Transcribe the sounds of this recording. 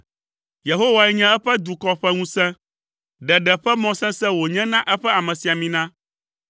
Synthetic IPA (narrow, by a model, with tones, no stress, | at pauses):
je˨ɦo˦wa˨ɛ˦ɲɛ̃˦ɛ˦ɸɛ˦d̪u˨kɔ˦ɸɛ˦ŋũ˦sɛ̃˦ | ɖɛ˨ɖɛ˨ɸɛ˦mɔ̃˦sɛ̃˦sɛ̃˦wo˨ɲɛ̃˦nã˦ʔɛ˦ɸɛ˦a˨mɛ̃˨si˨a˨mĩ˨nã˦